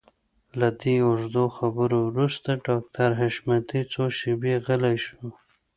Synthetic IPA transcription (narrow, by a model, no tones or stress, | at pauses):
lad̪eʊʒd̪oxabəɾowɾust̪aɖɑk̚t̪ʰaɾɦaʃmat̪it͡soʃɪbeɣəlajʃu